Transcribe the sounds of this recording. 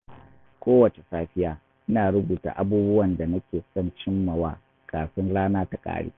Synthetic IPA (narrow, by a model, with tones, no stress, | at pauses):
kʷoː˦wɐ˨t͡ʃe˨saː˦ɸɪ˦jaː˨ | ʔɪ˦naː˨ɽʊ˦buː˨ta̰ː˨ʔa˦buː˦bʊ˦wɐ˨nda˨nɐ˦kʲeː˨sɔ˦˨nt͡ʃɪ˦mːɐ˨waː˦ | kʼaː˨sʊ˦nɽaː˦naː˦ta˨kʼa̰ː˦ɽḛː˦